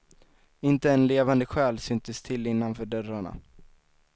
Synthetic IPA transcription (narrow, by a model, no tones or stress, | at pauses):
ɪnt̪əɛnleːvand̪əɧɛːlsʏnt̪əst̪ʰɪlːɪnːanfœːɖœɾaɳa̰